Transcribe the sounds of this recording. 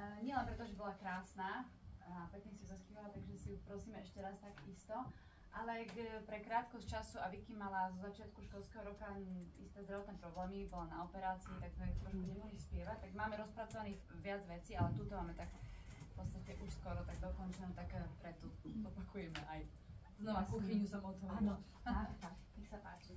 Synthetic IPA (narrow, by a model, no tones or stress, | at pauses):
ɲɪɛlɛnpɾɛt̪ɔʒɛbɔlakɾaːsnaːapɾɛk̪isiuzaspiʋalat̪aɡʒɛsiupɾɔsiːmɛɛʃcɛɾast̪aɡist̪ɔ | ʔalɛɡpɾɛkɾaːt̪kɔsct͡ʃasuaʋikimːalazɔzat͡ʃɪat̪kuʃkɔlskɛɦɔɾɔkaḭst̪ɛːzd̪ɾaʋɔt̪nɛːpɾɔblɛːmibɔlanaɔpɛɾaːt͡siːt̪akt̪ɔɛt̪mɔʒmuɲɛmɔɦixspɪɛʋac̚t̪aɡmaːmɛɾɔspɾat͡sɔʋanixʋɪad͡zʋɛt͡siːalɛt̪uːt̪ɔmaːmɛt̪akfpɔt͡st̪acɛʔuʃskɔɾɔt̪aɡ̚d̪ɔkɔnt͡ʃɛnut̪akpɾɛt̪ːuzɔpakujɛmɛʔaj | znɔʋakuxiɲusamɔt̪ɔʋaːnɔ | aːaɲɛxsapaːt͡ʃi